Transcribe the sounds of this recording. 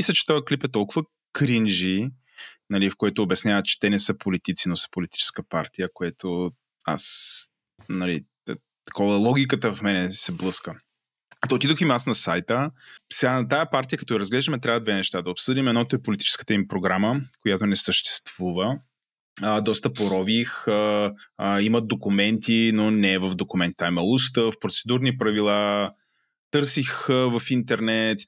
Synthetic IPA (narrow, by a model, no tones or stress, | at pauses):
mislʲɐt͡ʃɛ̥t̪ɔjɐklipɛt̪ɔlˠkʊvə | kɾinʒi | nɐlifkojɛt̪oːbʲɐsnʲavət̪t͡ʃɛ̥t̪ɛnɛsɤpolit̪it̪sinosə̥polit̪i̥t͡ʃɛ̥skəpa̰ɾt̪ijəkojɛt̪o | a̰s | nɐli | t̪ɐ̥kɔvəlˠɔɡʲikət̪əfmɛnɛsɛblˠɤskə | t̪oːt̪id̪oximasnɐsajt̪əsɛɡanɐt̪ajəpaɾt̪ijəkɐt̪ɔiɾəzɡlɛʒd̪əmɛt̪ɾʲavəd̪vɛnɛʃt̪ad̪ɐopsɤd̪imɛd̪nɔt̪oɛpolʲit̪i̥t͡ʃɛ̥skə̥t̪əimpɾoɡɾaməkojat̪onɛsəʃt̪ɛ̥st̪v̥uvə | d̪ɔst̪əpoɾɔvix | imɐt̪̚d̪okumɛnt̪inonɛvɐvd̪okumɛnt̪i̥t̪aimɐlˠust̪əfpɾot̪sɛd̪uɾnipɾɐvilˠa | t̪ɤɾsixvɐfint̪ɛɾnɛt̪